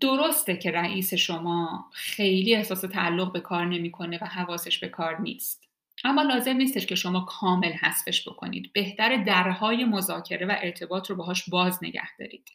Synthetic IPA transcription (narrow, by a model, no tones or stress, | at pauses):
d̪̥o̞ɾost̪ecʰe̞ɾæʔiːse̞ʃo̞mɒːχe̞jliːe̞hsɒːse̞t̪ʰæælːo̞ɣbe̞kʰɒːɾne̞miːkʰo̞ne̞væɦævɒːse̞ʃb̥e̞kʰɒːɾnḭːst̪ | ʔæmːɒːlɒːze̞mniːst̪eʃcʰe̞ʃo̞mɒːkʰɒːme̞lhæsfe̞ʃb̥o̞̰kʰo̞̰nḭːd̪b̥e̞ht̪ʰæɾed̪æɾhɒːje̞mo̞zɒːcʰe̞ɾe̞væʔe̞ɾt̪ʰe̞bɒːt̪ʰɾobeɦɒːʃbɒːzne̞̰ɟæ̰hd̪̥ɒ̰ːɾḭːd̪̥